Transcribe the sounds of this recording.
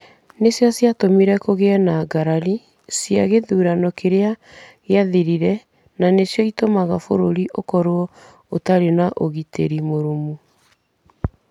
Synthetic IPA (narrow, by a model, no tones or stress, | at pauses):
nesjasjatomiɾɛkoɣeɛnaɡaɾaɾi | sjaɣeðuːɾanɔkeɾea | ɣeaðiɾiɾɛ | nanesjɔitomaɣafo̰ɾoɾiʔokɔɾoɔ | otaɾenaʔoɣitʰḛɾimoɾumu